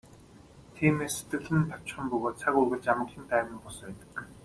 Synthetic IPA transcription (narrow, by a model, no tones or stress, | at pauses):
t̪ʰiːmeːsːet̪ɡɘ̆ɮɘ̆nt̪ʰaw̥ʲt͡ɕχə̆mpɵɣoːt̪̚t͡sʰakurɣɘ̆ɮt͡ɕamə̆ɮĭːnt̪æːmiːŋpɔspæːt̪ə̥̆k